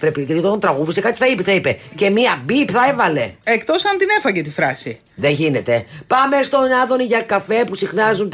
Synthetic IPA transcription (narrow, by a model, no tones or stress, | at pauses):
pɾepicet̪it̪ot̪ɐnt̪ɾɐɣuðisekɐt̪i̥θɐipiθɐipe̞ce̞miɐbipθɐe̞vɐle̞ekt̪o̞sɐnt̪ine̞fɐɟet̪ifɾɐsi | ðeʝine̞t̪e̞pɐmest̪o̞nɐðo̞niʝɐkɐfe̞pusixnɐzun